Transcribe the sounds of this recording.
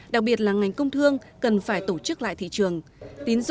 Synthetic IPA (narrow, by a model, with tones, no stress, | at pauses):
ɗa˨˩k̚ɓi˨˩ət̚laː˨˩ŋa˨˩jŋ̟kə˧wŋ͡mt̪ʰɨ˧əŋ | kə˨˩nfaː˧˩jt̪o˧˩t͡ɕɨ˦˥k̚la̰ː˧˨jt̪ʰḭ˧˨t͡ɕɨ˨˩əŋt̪i˨˦nz